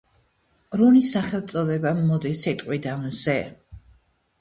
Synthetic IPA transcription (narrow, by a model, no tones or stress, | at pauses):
ɾunisaχɛlˠt̪sʼɔd̪ɛbaːɔd̪isɛt̪ʼqʼwid̪amzɛ